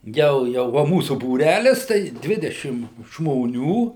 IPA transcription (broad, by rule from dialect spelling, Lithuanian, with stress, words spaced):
ˈjɛʊ ˈjɛʊ ʋɐ ˈmuːsʊ buːˈrʲælʲɪs tɐɪ ˈdʲʋʲɪdʲɛʃʲɪm ʒmoːˈnʲuː